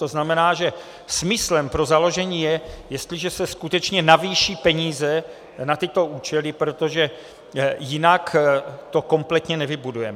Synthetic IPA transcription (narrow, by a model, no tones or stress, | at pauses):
t̪o̞znamɛnaːʒɛ | smɪslɛmpɾozalo̞ʒɛɲiːjɛjɛst̪lɪʒɛsɛskut̪ɛt͡ʃɲɛnaviːʃiːpɛɲiːzɛ | nat̪ɪt̪o̞uːt͡ʃɛlɪpɾo̞t̪o̞ʒɛ | jɪnakt̪o̞ko̞mplɛt̪ɲɛnɛvɪbudujɛmɛ